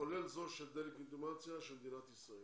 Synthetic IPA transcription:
olelzoʃed̪elikint̪umat͡sijaʃɛlmd̪inat̪isoi

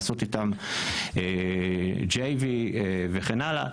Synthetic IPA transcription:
so̞t̪it̪am | e | d͡ʒejvieveχenala̰

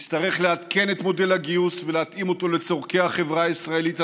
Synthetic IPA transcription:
st̪aʁe̞χle̞at̪ke̞net̪mo̞de̞laɡiusveleat̪imo̞t̪o̞le̞t͡so̞ʁke̞aχe̞vʁaisʁae̞lit̪

